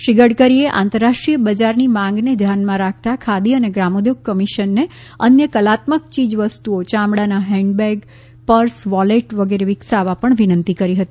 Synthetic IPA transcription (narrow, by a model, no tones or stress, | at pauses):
ʃiɡəɽkəɾieʔã̰nt̪əɾːaʂʈɾijəbəd͡ʒaɾnimãŋɡned̪ʱjanmãɾak̚ʰt̪akʰad̪iəneɡɾamod̪joɡ̚kəmiʃənːe | ənjəkəlat̪mək̚t͡ʃid͡ʒʋəst̪uot͡ʃãmɽanaɦɛɳɖbɛɡ | pəɾsʋɔleʈʋəɡeɾeʋɪksaʋapəɳʋinənt̪ikəɾiɦət̪i